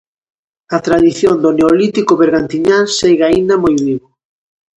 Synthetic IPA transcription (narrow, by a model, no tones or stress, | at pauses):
at̪ɾaðiθjond̪oneolit̪ikʊβeɾɣant̪iɲaseɣaind̪ɐmojβiβo